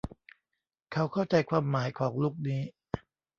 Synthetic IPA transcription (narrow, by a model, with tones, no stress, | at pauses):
kʰa˦˥wkʰa˥˩wt͡ɕa˧jkʰwaː˧mːaː˩˦jkʰɔː˩˦ŋluː˥˩k̚niː˦˥